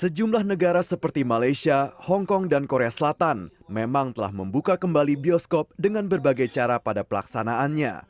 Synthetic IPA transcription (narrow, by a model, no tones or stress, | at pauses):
səd͡ʒumlahnəɡaɾasəpərt̪imalajsiahɔŋkɔŋdankoɾeasəlat̪anmemaŋt̪əla̰hməmbukakəmbalibiɔskɔp̚dəŋanbərbaɡajt͡ʃaɾapadapəla̰ksanaanɲa̰